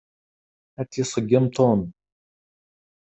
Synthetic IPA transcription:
æt͡sːjisˤəɡːɪmt̪ʰon

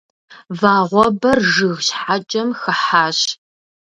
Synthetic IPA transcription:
vaːʁʷɔbɐrʒɨɣɕħat͡ʃʼɐmxɐħaːɕ

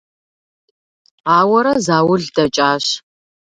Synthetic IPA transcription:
aːwɐɾɐzaːwʊɮdɐt͡ʃʼaːɕ

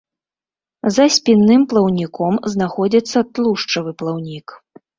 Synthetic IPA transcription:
zɐsʲpʲinːɨmplˠɐwnʲikɔmznaxɔd͡zʲit̪sːɐt̪lˠuʂt͡ʂɐvɨplˠawnʲik

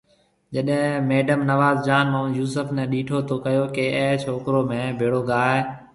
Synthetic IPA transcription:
d͡ʒəɗɦẽmeːɖəmnəʋaːzd͡ʒaːnmõːjuːsəfnɛ̃ːɗiːʈʰoːt̪ʰoːkəjoːkeə̃ɦt͡ʃʰoːkɾoːmẽːbʱeːɽoːɡaːɦeː

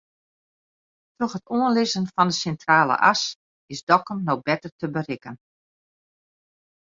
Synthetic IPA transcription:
troxətʰoənlɪzənfɔndəsɛntraːlə̰ʔa̰s | ɪsdɔkəmnoxbɛtərtəbərɪkən

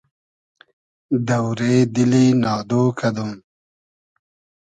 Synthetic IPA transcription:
d̪ɐwɾeːd̪ilinɑːd̪oːkʰɐd̪um

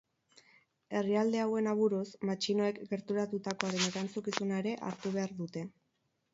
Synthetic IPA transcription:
e̞riald̪e̞awe̞naβuɾusmat͡ʃino̞e̞kɡe̞ɾt̪uɾat̪ut̪ako̞aɾe̞ne̞ɾant͡sukisunaeɾe̞ʔa̰ɾt̪uβ̞e̞aɾðut̪e̞

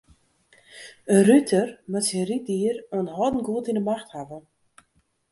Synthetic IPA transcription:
ərytʰərmətsirit̚diːrənɦɔdn̩ɡuətindəmaxthavə

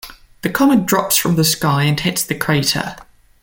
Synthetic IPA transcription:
ðəkʰɒmə̃ndɹɒpsfɹə̃mðəskaɪə̃nhɪtsðəkʰɹ̥eɪtʰə̰

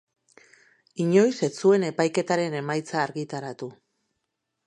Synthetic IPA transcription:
iɲo̞jse̞t͡sue̞ne̞pajke̞t̪aɾe̞ne̞majt͡saːɾɣit̪aɾat̪u

